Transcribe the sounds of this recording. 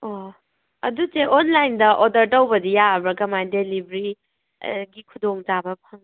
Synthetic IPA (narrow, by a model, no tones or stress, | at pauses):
o | ɐ̰duteʔonlajndɐʔodɐɾtɐwbɐdijabɾɐkɐmajdelibɾi | ɡikʰudoŋd͡ʒabɐpʰaŋ